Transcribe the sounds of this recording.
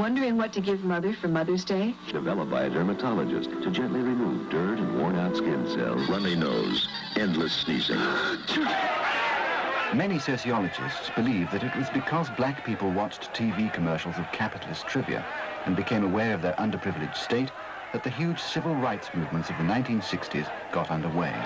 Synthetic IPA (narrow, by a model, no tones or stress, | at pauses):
wʌ̃ndə˞ɪ̃ŋwʌtʰɨɡɪvmʌðə˞fə˞mʌðə˞zdeɪ | d̥ɨvɛlˠəp̚b̥aɪɨdɜ˞mətʰɑlˠə̰d͡ʒɨ̰stʰɨd͡ʒɛ̃nʔliɹimuvdɜ˞ɾɨ̃nwɔɹnaʊtskɪ̃nsɛ̰lˠzɹʌ̃nĩno̰ʊz | ɛ̃ndˡləsnḭsɪ̰̃ŋ | mɛnisoʊsiɑlˠɨd͡ʒɨ̰stsb̥ɨlivðɨɾɨt̚wʌzbɨkʰʌzblæk̚pʰipl̩ˠwɑt͡ʃtʰivikʰɨmɜ˞ʃl̩ˠzʌv̥kʰæpɨɾl̩ˠɨstʰɹ̥ɪvḭɨ̰ | ɨ̃nbɨkʰẽɪ̃məwɛɹʌvðə˞ʔʌ̃ndə˞pʰɹ̥ɪvl̩ˠɨ̥ʒ̥steɪt̪̚ | ðɨt̪̚ðɨɦjʉd̥ʒ̥sɪvl̩ˠɹaɪtsmʉvmə̃ntsʌvðɨnãɪ̃ntĩnsɪkstiz | ɡ̥ɑɾʌ̃ndə˞weɪ